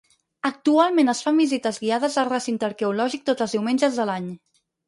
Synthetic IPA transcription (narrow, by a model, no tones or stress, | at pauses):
ək̚t̪ualˠmẽnəsfambizit̪əzɣiaðəzəlrəsint̪əɾkɛulɔʒik̚t̪ot̪əlˠzðiwmend͡ʒəzðəlaɲ